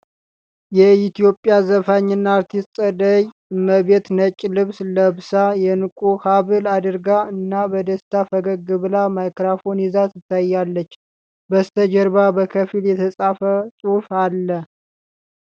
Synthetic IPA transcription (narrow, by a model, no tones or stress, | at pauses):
jɛit̪ijo̞pʼːjazəfaɲːɨnːaaɾt̪ʰist̪ʼəd̪əj | ɨmːəβe̞t̪nət͡ʃʼːlɨβsləβsajɛnɨkʼuhaβɨlad̪ɨɾɡaɨnːabəd̪əst̪ʰafəɡəɡɨβlamajkɾafo̞nizasɨt̪ʰːajːalːət͡ʃː | bəst̪ʰəd͡ʒəɾbabəkʰəfiljɛt̪ʰəsʼafəsʼufalːə